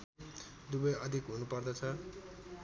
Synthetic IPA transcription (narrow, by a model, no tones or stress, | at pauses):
d̪ubʌjʌd̪ʱikɦunupʌrd̪ʌt͡sʰʌ